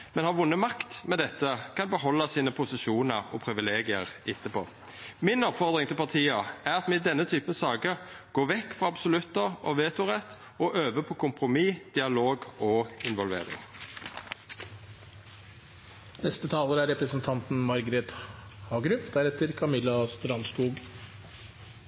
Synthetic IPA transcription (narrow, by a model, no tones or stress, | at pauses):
mɛnhɑʁʋʊnːəmɑkt̪mɛd̪ɛt̪ːəkʰɑnbəɦɔlːɑsiːnəpʰʊsɪʃuːnəɾɔpʰɾɪʋɪleːɡɪəʁɪt̪ːəpo̰ː | mɪnɔpfɔʁd̪ʁɪŋt̪ɪlpɑt̪ʰiːɑæʁɑt̪mɛd̪ɛnːət̪ʰyːpənsɑːɡəɡ̥oːʋɛkːfʁɑɑbsʊlʉt̪ːəʁɔʋeːt̪ʊʁɛt̪ː | ɔʔøːʋəpʰɔkʰʊmpʁʊmiːd̪̥ɪɑloːɡoɪnʋɔlʋḛːɾɪ̰ŋ | nɛst̪ət̪ʰɑːləɾəæɾɛpɾəsn̩t̪ʰɑnt̪n̩mɑɾɡɾɛt̪hɑːɡɾʉpd̪̥æɾɛt̪ʰːəɾkʰɑmɪlːɑst̪ɾɑnskuːɡ